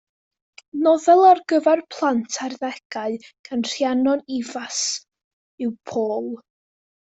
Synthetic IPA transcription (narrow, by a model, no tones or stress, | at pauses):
nɔðɛlˠarɡəvɛrpʰlˠantʰarðɛɡ̥aɨɡ̥anr̥janɔnivas | ɪwpʰoːlˠ